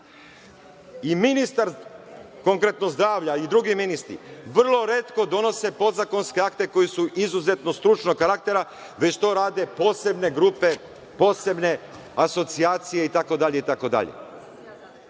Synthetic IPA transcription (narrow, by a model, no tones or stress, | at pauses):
iminist̪aɾkoŋkɾe̞t̪nozd̪ɾaːʋʎaid̪ɾuɡiminist̪ɾḭʋr̩lˠo̞ɾe̞t̪ko̞d̪o̞no̞se̞po̞d̪zako̞nske̞akt̪e̞ko̞jisuʔizuze̞t̪no̞st̪ɾut͡ʃnokaɾak̚t̪e̞ɾa | ʋe̞t͡ɕt̪o̞ːɾaːd̪e̞po̞ːse̞bne̞ɡɾupe̞ | po̞ːse̞bne̞ | aso̞t̪siaːt̪sije̞it̪ako̞d̪aʎe̞it̪ako̞d̪a̰ʎḛ